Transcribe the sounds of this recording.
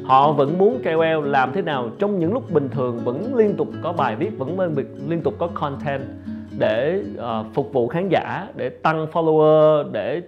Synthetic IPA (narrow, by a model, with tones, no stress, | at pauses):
hɔ̰˧˨və̰˧˥nmu˨˦ənkɛ˧wɛ˧wlaː˨˩mt̪ʰe˨˦naː˨˩wt͡ɕɔ˧wŋ͡mɲɨ̰˧˥ŋlʊ˦˥k͡p̚ɓï˨˩ŋ̟t̪ʰɨ˨˩əŋvə̰˧˥nli˧ənt̪ʊ˨˩k͡p̚kɔ˨˦ɓaː˨˩jvi˦˥ət̚və̰˧˥n˧i˨˩kli˧ənt̪ʊ˨˩k͡p̚kɔ˨˦kʰɔ˧nt̪ʰɛ˧n | ɗe˧˩ʔːfʊ˨˩k͡p̚vṵ˧˨xaː˨˦nza̰ː˧˥ɗe˧˩t̪a˧ŋfɔ˧lo˧əː˧ɗe˧˩